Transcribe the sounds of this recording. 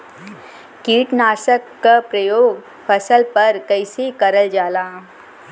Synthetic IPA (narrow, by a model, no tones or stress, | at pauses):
kiːʈnaːʃəkːapɾɐjoːɡ | pʰɐsəlpɐɾkəɪsikɐɾəld͡ʒaːlaː